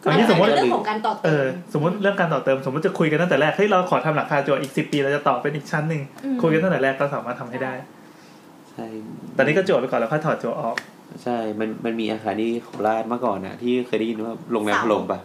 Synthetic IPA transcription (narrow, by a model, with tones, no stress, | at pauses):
a˧niː˦˥so˨˩˦ɔː˨˩˦kaː˧nt̪ɔː˨˩ʔɤː˧so˩˦mː˦u˦˥t̪̚ɾɯ˥˩əŋkaː˧nt̪ɔː˨˩t̪ɤː˧mso˩˦mː˦˥t̪t͡ɕa˨˩kʰu˧jka˧t̪a˥ŋt̪ːɾɛː˥˩k̪̚ʰːɾa˧kʰɔː˩˦t̪ʰa˧mla˨˦˥kʰaː˧t͡ɕu˨˩ət̪ʔiː˨˩k̚si˨˩pːiː˧ɾa˧wt͡ɕa˨˩t̪ɔː˨˩p̚pe˧nʔiː˨˩k̚t͡ɕʰa˦˥nːɯ˧ŋkʰu˧jka˧nʰa˥˩t̪ːɾɛː˥˩kːɔː˥˩saː˨˩˦maː˥˩t̪ʰa˧mɦa˥˩jdaː˥˩j | t͡ɕʰa˥˩jt̪ɛː˨˩niː˦˥kːɔ˥˩t͡ɕu˨˩pːkɔ˨˩˨lɛː˦˥kʰɔ˥˩t̪ʰɔː˨˩t̪̚t͡ɕu˨˩ət̪ʔɔː˨˩k̚ | t͡ɕʰa˥˩jma˧nma˧nmiː˧ʔaː˧xʰaː˧nt̪ʰiː˥˩kʰɔ˨˩laː˥˩t̪̚maː˧˥˩kɔː˨˩na̰˧˩t̪ʰiː˥˩xɤː˧jda˥˩ji˧nwaː˥˩lo˧ŋlɛː˧mʰa˧lo˧mpa˧j